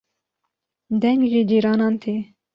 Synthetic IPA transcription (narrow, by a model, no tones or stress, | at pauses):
d̪ɛŋɡʒiːd͡ʒiːɾɑːnɑːnt̪ʰiː